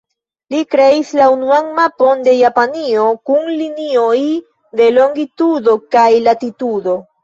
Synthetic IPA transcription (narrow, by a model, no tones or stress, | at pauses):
likɾe̞islaunuaŋmapo̞nde̞japanio̞kunlinioj | de̞lo̞ŋɡitudo̞kajlatitudo̞